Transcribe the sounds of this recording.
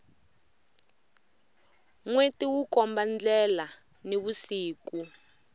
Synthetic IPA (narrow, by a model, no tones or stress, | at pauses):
ŋwetiwukɔmband͡ɮɛla | neβusiːku